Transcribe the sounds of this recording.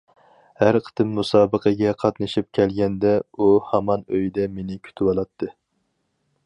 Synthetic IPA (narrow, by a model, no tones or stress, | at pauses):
hæɾqʰə̥t̪ɨmːusɑːbəqʰəɡʲɛqʰɑt̪nɨʃip̚kʲʰɛlɡʲɛnd̪ɛuhɑmɑnøjd̪ɛmenɪkʲʰy̥t̪ʰɪwɑlˠɑt̪ʰːɨ